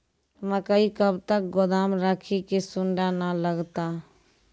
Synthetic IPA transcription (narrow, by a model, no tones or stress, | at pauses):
məkəikəbt̪ək̚ɡʊd̪amɾəkʰikesʊɳɖanələɡt̪a